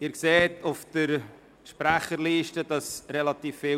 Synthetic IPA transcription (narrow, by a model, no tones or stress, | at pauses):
ɪːɾkseːtʊfd̥əɾ | ʃpɾæχəɾliːʃtəd̥ɑsɾɛlɑt̪iːfːɪ